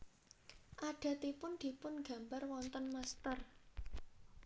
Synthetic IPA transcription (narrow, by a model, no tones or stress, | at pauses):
ʔaɖ̥a̤t̪ipʊnd̪̥i̤pʊnɡ̥ä̤mbarwɔnt̪ənmast̪ər